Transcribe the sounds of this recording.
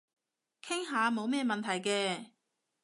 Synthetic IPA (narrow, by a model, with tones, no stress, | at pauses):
kʰɪ˥ŋɦaː˨˧mo˨˧wmɛː˥mɐ˨nt̪ʰɐ˨˩jkɛː˧